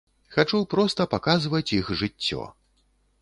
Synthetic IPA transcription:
xat͡ʂupɾɔst̪ɐpakazvɐt͡sʲixʐɨt͡sʲːɔ̰

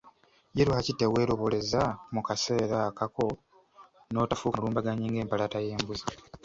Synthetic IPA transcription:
jeɾuhacitːewe̞ːɾo̞βo̞le̞zamukase̞ːɾakako̞ | no̞ːtafuːkluːmbaɡaɲiːŋɡe̞ːmpalataje̞ːmbuzi

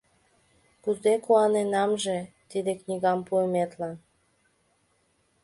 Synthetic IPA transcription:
kuzekuɑnenɑmʒe | t̪id̪eknʲiɣɑmpuemet̪lɑn

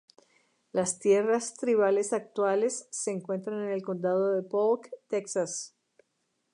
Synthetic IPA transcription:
last̪je̞rast̪ɾiβale̞sak̚t̪wale̞sːe̞ːŋkwe̞nt̪ɾanene̞lko̞nd̪að̞oðe̞polkt̪eksas

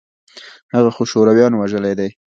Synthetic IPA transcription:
haɣaxoʃoɾawjɑnwaʒəlajd̪aj

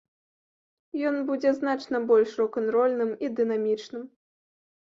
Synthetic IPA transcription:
jɔnbud͡zʲɛznat͡ʂnɐbɔlʲʂrɔkɔnt̪ɾɔlʲnɨmid̪ɨnamʲit͡ʂnɨm

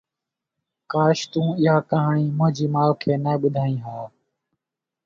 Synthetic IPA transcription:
kaːʃt̪ũːɪːaːkaɦɳiːmʊ̃ɦd͡ʒiːmaːlkʰeːnəːɓʊd̪ʱaːĩːɦaː

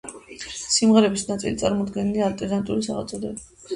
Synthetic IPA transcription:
simʁɛɾɛbisnat̪sʼḭlit̪sʼa̰ɾmɔd̪ɡɛniliaːlt̪ʼɛɾnant̪ʼulisa̰ʁat̪sʼɔd̪ɛbi

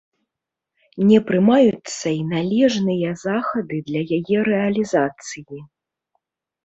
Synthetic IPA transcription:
nʲɛpɾɨmajut̪sːɐinalʲɛʐnɨjɐzaxɐd̪ɨd̪lʲɐjajɛɾɛɐlʲizat̪sɨji

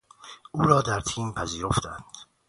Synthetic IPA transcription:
ʔuːɾɒːd̪æɾt̪ʰiːmpʰæziːɾoft̪æ̰nd̪̥

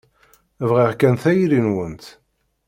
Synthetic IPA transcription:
vʁiʁkænθæjɾinwənt̪

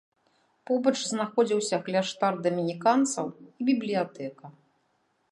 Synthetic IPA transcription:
pɔbɐt͡ʂznaxɔd͡zʲiwsʲɐɣlʲaʂt̪ard̪ɐmʲinʲikant̪sɐ̰wibʲiblʲijat̪ɛkɐ

